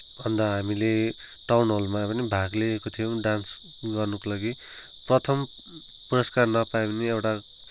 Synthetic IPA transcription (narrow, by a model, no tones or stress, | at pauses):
bʱʌnd̪ʌɦamile | ʈawnɦolmapʌnibʱaɡleːkot̪ʰijowɖans | ɡʌrnʌkolaɡi | prʌt̪ʰʌm | puɾʌskarnʌpaeneewʈa